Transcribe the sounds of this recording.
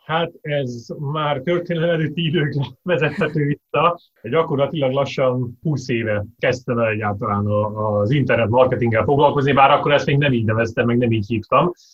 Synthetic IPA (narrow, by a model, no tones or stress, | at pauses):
hat̪ɛzmaːrt̪ørt̪eːnɛnɛløːt̪ːiid̪øːkɛvɛzɛt̪hɛt̪øːvisːɒ | ɟɒko̞rlɒt̪ilɒɡlɒʃːɒnpuːseːvɛkɛst̪ɛmɛlɛɟːaːlt̪ɒlaːnɒːzint̪ɛrnɛt̪mɒrkɛt̪iŋɡːɛlfo̞ɡlɒlko̞znibaːɾɒkːo̞ɾɛst̪meːɡnɛmiːɟnɛvɛst̪ɛmːɛɡnɛmiːchiːft̪ɒm